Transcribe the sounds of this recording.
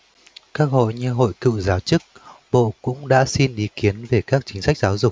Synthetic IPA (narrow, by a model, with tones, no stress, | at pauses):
kaː˦˥k̚ho̰˧˨jɲɨ˧ɦo̰˧˨jkɨ̰˧˨wzaː˨˦wt͡ɕɨ˦˥k̚ɓo̰˧˨kʊ̰˧˥ŋ͡mɗa̰ː˧˥si˧nʔi˨˦ki˨˦ənve˨˩kaː˦˥k̚t͡ɕï˨˦ŋ̟sa˦˥k̚zaː˨˦wzʊ˨˩k͡p̚